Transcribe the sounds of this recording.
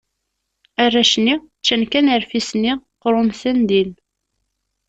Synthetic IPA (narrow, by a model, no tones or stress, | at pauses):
arːaʃnːi | t͡ʃːænkænəɾfisniqɾʊnsænd̪il